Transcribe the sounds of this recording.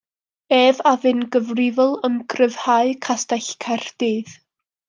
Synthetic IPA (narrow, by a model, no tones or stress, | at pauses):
eːvavɨnɡəvrɪvɔlˠəmɡrəv̥haɨkʰastaɬkʰɛrd̥iːð̥